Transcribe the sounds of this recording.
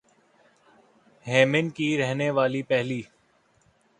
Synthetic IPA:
ɦɛːmɪnkiɾɛɦneʋaːlipɛɦliː

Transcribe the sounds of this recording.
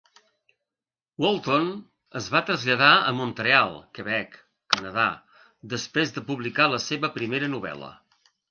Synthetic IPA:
wɔlˠt̪on | əzβat̪ɾəzʎəðaə̰munt̪ɾealˠkəβɛkː | ənəða̰ | d̪əspɾezðəpuβlikaləseβəpɾimeɾənuβɛ̰lə̰

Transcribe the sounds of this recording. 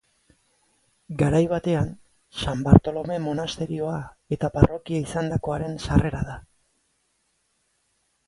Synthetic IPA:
ɡaɾajβat̪e̞an | sambaɾt̪o̞lo̞me̞mo̞nast̪e̞ɾio̞ae̞t̪aparo̞kiaisand̪ako̞aɾe̞nsare̞ɾaða

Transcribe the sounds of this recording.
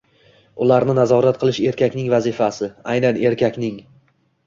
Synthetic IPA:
ʊlaɾnɪnazɒɾat̪qʰɨlˠɪʃe̞ɾkʲʰakʲnɪŋvazɪfasɪa̰jnanʔe̞ɾkʲʰakʲnɪŋ

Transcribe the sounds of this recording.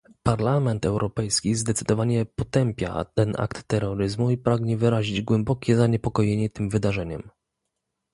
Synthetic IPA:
paɾlamɛnt̪ɛwɾʔɔpɛjskʲizd̪ɛt̪sɘd̪ɔvaɲɛpɔt̪ɛmpʲja̰t̪ɛnʔa̰kt̪ːɛɾːɔɾɘzmuipɾaɡɲɛvɘɾaʑid͡ʑɡwɛmbɔkʲɛzaɲɛpɔkɔjeɲɛt̪ɘmvɘd̪aʐɛɲɛ̰m

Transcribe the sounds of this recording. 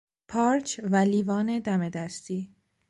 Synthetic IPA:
pʰɒːɾt͡ʃʰvæliːvɒːne̞d̪æme̞d̪æst̪iː

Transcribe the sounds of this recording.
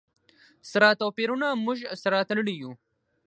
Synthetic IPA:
sɾaːt̪opiɾunamuʒsɾaːt̪lɽiju

